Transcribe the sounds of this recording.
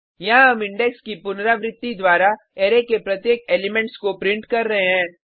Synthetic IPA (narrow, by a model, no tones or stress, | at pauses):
jɐɦãɦɐmɪ̃ɳɖɛkskipʊnɾaʋɾɪt̪ːid̪waːɾa | eːɾekepɾɐt̪jeːkeːlɪmẽɳʈskopɾɪ̃ɳʈkɐɾːɐɦeɦɛ̃ː